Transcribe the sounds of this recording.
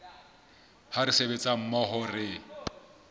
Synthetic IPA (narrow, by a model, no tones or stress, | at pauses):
haɾɪsebet͡sʼam̩mɔɦɔrɪ